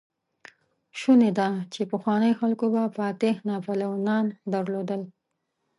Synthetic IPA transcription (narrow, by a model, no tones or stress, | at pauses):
ʃuned̪at͡ʃepəxwɑnəjoxalkobafɑt̪ehnɑpalawnɑnd̪aɾlod̪əl